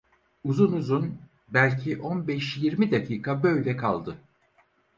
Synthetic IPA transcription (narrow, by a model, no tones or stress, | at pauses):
uzunuzun | bælʲcʰiʔo̞nbɛʃjiɾmid̪akʰiːkʰabø̞jlʲɛkʰa̰lˠd̪ɯ